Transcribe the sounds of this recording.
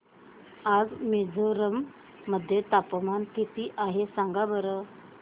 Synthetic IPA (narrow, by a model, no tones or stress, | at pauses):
ad͡zmid͡zʱoɾəmː | əd̪ʱːjet̪apmankit̪iːʔaɦesãŋɡabəɾə